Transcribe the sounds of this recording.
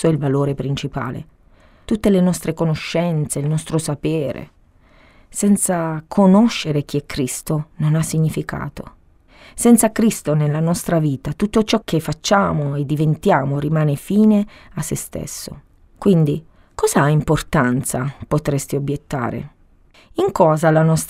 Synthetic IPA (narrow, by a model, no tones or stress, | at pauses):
oilvaloːɾepɾint͡ʃipa̰ːlḛ | t̪ut̪ːelenɔst̪ɾekonoʃːɛnt̪seilnɔst̪ɾosapeːɾḛ | sɛnt̪sakʰonoʃːeɾek̟iɛkʰːɾist̪ononasːiɲːifikʰa̰ːt̪o̰ | sɛnt̪sakɾist̪onelːanɔst̪ɾaviːt̪at̪ut̪ːot͡ʃɔkːefːat͡ʃːaːmoed̪ːivent̪jaːmoɾimaːnefiːne | asːḛst̪ḛsːo̰ | kwind̪i | kɔːzaaimport̪ant̪sapot̪ɾest̪iobjet̪ːa̰ːɾḛ | iŋkɔːzalanɔst̪